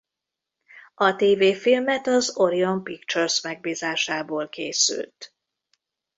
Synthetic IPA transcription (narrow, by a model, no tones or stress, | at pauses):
ɒt̪eːveːfilmɛt̪ɒzo̞ɾio̞mpikt͡ʃørsmɛɡ̚biːzaːʃaːboːlkeːsy̰lt̪